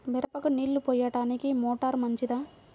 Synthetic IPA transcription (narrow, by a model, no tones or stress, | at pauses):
miɾɐpɐkuniːɭːupɔːjɐʈaːnikimɔːʈɐɾmɐɲt͡ʃid̪aː